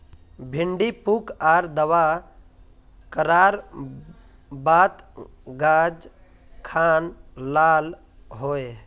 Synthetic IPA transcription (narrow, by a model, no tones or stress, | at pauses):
bʱɪɳɖipukaːɾd̪əʋa | kəɾaːɾ | baːt̪ɡaːd͡ʒ | kʰaːnlaːl | ɦoːe